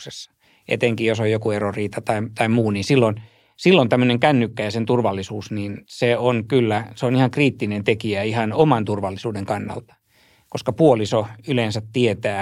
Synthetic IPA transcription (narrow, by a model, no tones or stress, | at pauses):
sesː | ʔḛt̪eŋkijjosojjokueroriːt̪ɑt̪ɑit̪ɑimmuːniːnsilːon | silːont̪æmːøneŋkænːykːæjɑsent̪urʋɑlːisuːsniːnseonkylːæseonihɑŋkriːt̪ːinent̪ekiæihɑnomɑnt̪urʋɑlːisuːdeŋkɑnːɑ̰lt̪ɑ̥ | koskɑpuolisoylensæt̪t̪iet̪æː